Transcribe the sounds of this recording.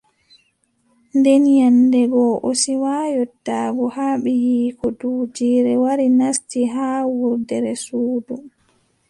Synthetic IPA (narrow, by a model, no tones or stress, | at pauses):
ndɛnjandɛɡɔʔosiwaːjɔtːaːɡɔhaːɓɛjiːkɔduːd͡ʒiːɾɛwaɾinastiɦaːwuɾdɛɾɛsuːdum